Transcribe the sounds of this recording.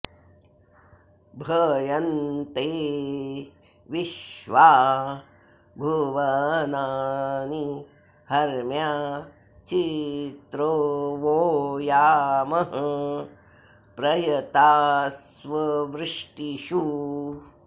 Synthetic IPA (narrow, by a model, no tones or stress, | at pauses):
bʱɐːjɐnt̪eː | ʋiʃʋaː | bʱuʋɐnaːni | hɐɾmjaː | t͡ʃit̪ɾoːʋoːjaːmɐɦɐ | pɾɐjɐt̪aːs | ʋɐʋɾɪʂʈiʃu